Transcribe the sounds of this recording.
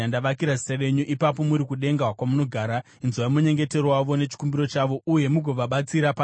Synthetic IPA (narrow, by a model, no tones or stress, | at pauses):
andaʋakiɾazi̥sare̞ɲuʔipap̬o̞muɾikuɗe̞ŋɡawakwamuno̞ɡʱaːɾa | inzuwaimuɲe̞ŋɡe̞te̞rowaʋo̞ne̞t͡ʃi̥kumbiɾo̞t͡ʃaʋo̞ʔuje̞muɡʱoʋaɓat͡siɾapa